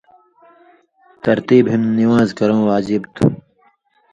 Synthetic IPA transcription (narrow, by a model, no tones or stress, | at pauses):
t̪ɐɾt̪iːbɦimniwãːzkɐɾõːwaːd͡ʑibt̪ʰṵ